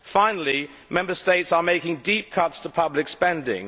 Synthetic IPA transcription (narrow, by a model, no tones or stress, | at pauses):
fãɪ̃nl̩ˠi | mɛ̃mbəsteɪtsəmeɪkɪ̃ŋdip̚kʰʌtstʰəpʰʌblɪkspɛ̃ndɪ̰̃ŋ